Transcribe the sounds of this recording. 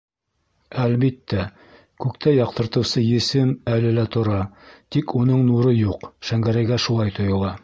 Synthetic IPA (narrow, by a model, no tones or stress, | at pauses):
ælβit̪ːæ | kʉkt̪ʰæjɑq̚t̪ɤ̆ɾt̪ɤ̆wsɤjɘ̆sɘmælɘ̆læt̪ŏɾɑt̪ikunɤɴnuɾɤjuqʃæŋɡæɾæjɡæʃulˠɑjt̪ʰŏjŏlˠɑ